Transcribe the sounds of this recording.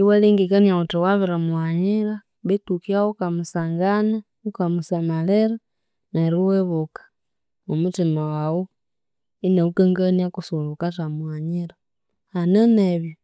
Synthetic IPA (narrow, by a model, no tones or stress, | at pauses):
iweliŋɡikaniautowaβiɾamwaɲiɾa | βetukjaokamusaːŋɡana | ukamusamaleɾa | naɾiweβokḁ | umutimawawo | ineukaŋɡaniakusolukatamuwaɲiɾa | haneneβjo